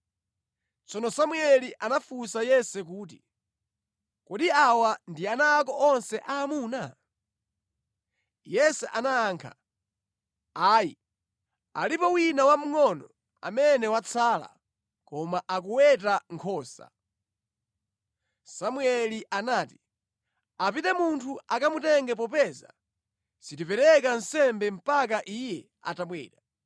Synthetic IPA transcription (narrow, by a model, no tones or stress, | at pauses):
t͡sɔnɔsamuɛliʔanafusajɛsɛkuːt̬i | kɔɗiawandianaːk̬ɔʔɔnsɛʔaːmuːna | jɛsɛʔanaːŋkʰa̰ | aːji | a̰lipɔwinawam̩ŋɔnɔ | a̰mɛnɛwat͡sʰala̰ | kɔmaʔak̬uwɛt̬aŋkʰɔːsa̰ | samwɛliʔanaːti̥ | apitɛmuntʰuakamutɛŋɡɛp̬ɔpɛza̰ | sitipɛɾɛkan̩sɛmbɛm̩pak̬aʔijɛ | a̰tamwɛ̰ːɾa